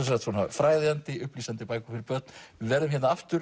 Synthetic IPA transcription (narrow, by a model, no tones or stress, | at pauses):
ɛs̬ɾat̪θunafɾaːjðɪant̪ɪʏhpliːsant̪ɪpaːjkʏfɪɾɪɾpœt̪nɪðvɛːɾðʏmhɛnaaft̪ʏɾ